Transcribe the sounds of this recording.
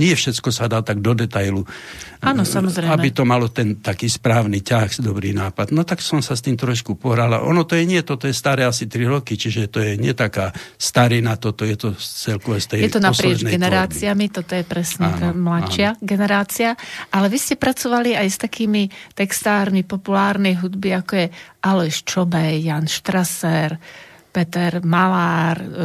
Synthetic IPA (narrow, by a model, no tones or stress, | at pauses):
ɲɪɛfʃɛt͡skɔsad̪aːt̪aɡ̚d̪ɔd̪ɛt̪ajluaːnɔsamɔzɾɛjambit̪ɔmalɔt̪ɛnt̪akiːspɾaːʊnicaxd̪ɔbɾiːnaːpad̪nɔt̪aksɔmsast̪iːmt̪ɾɔʃkupɔɦɾala̰ʔɔ̰nɔt̪ɔjɛɲɪɛt̪ɔt̪ɔjɛst̪aɾɛːasit̪ɾiɾɔkit͡ʃiʒɛt̪ɔjɛɲɪɛt̪akaːst̪aɾinat̪ɔt̪ɔjɛt̪ɔt͡sɛlkɔʋɛst̪ɛjɛt̪ɔnaspɾɪɛznɛɡɛnɛɾaːt͡siamit̪ɔt̪ɔjɛpɾɛsɲɛt̪aːmlat͡ʃːɪaɡɛnɛɾaːt͡siaʔalɛʋiscɛpɾat͡sɔʋaliajst̪akiːmit̪ɛkst̪aːɾmipɔpulaːɾnɛjɦud̪biakɔjɛʔalɛʃt͡ʃɔbɛjːanʃt̪ɾasɛɾ | pɛt̪ɛɾmalaːɾ